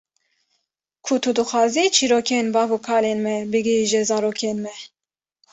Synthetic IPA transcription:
kʰut̪ʰud̪ɨxʷɑːzit͡ʃʰiɾokʰenbɑːvukʰɑːlenmɛbɨɡiʒɛzɑːɾoːkʰenmɛ

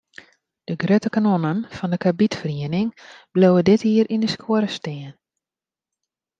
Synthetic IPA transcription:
d̥əɡrøtəkanonənfɔndəkʰabitfriənɪŋb̥lowədɪthiːəɾʔindəskʰoəɾəsteːən

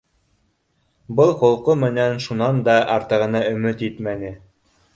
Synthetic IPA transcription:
bɤlˠqŏlˠqomɘ̆nænʃunɑnd̪ɑʔɑɾt̪ɤ̆ʁɤ̆nɑɵ̆mɘt̪it̪mænɘ

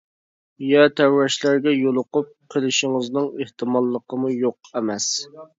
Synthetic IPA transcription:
jɛt̪ʰæɾwɛʃlæɾɡʲɛjolˠʊqʊp̚qʰəlˠɪʃɪŋɨznɨŋeht̪ʰɨmɑlˠːəqəmujoq̚ɛmɛs

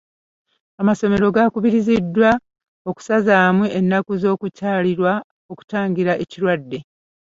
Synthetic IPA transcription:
amaso̞me̞ɾo̞ɡakuβiɾizidːwa | o̞ku̥sazaːmweenːakuzo̞ːkucaːliɾwa | o̞ku̥taːŋɡiɾaʔe̞ciɾwadːe̞

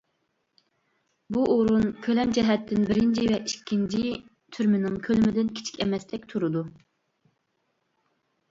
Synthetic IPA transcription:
buʔoɾunkʲʰølɛmd͡ʒɛɦɛt̪ʰːɪnbɪɾɪnt͡ʃʰivɛʔiʃkʲʰːint͡ʃʰi | t̪ʰyɾmɪnɪŋkʲʰølmɪd̪ɪnkʲʰi̥t͡ʃʰi̥kʲɛmɛst̪ɛk̚ʲt̪ʰuɾud̪u

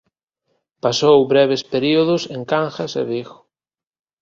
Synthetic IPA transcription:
pasowβɾɛβespeɾioðʊseŋkaŋxɐsḛβiɣʊ̥

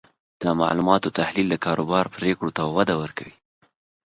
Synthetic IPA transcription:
d̪̥əma̰ʕlumɑt̪ot̪ahlild̪əkɑɾobɑɾpɾekɽot̪awad̪awəɾkawi

